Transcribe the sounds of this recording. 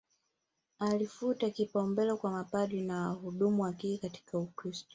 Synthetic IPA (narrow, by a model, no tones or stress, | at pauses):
alifutakipɔmbɛlɔkwamapaɗwinawahuɗumuwakiːkati̥kaukɾistɔ̥